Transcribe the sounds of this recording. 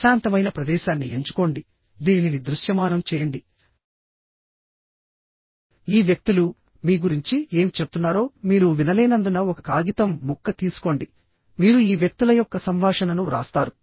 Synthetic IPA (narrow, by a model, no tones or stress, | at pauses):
ʃaːnt̪ɐmɐjnɐpɾɐd̪ɛːʃaːnːie̞ɲt͡ʃu̥ko̞ɳɖi | d̪iːninid̪ɾuʃjɐmaːnɐmt͡ʃɛːjɐɳɖi | iːʋjɐk̚t̪ulu | miːɡuɾiɲt͡ʃie̞ːmt͡ʃep̚t̪unːaːɾo̞ːmiːɾuʋinɐleːnɐnd̪unɐɔkɐkaːɡit̪ɐmːukːɐt̪iːsu̥ko̞ɳɖi | miːɾuiːʋjɐk̚t̪ulɐjɔkːɐsɐmʋaːʂɐnɐnuɾa̰ːst̪aːɾu